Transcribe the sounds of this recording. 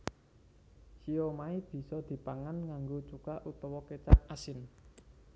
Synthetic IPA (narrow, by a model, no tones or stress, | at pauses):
ʃiomaib̥i̤sɔd̪̥i̤paŋanŋaŋɡot͡ʃukaʔut̪ɔwɔket͡ʃaʔasɪn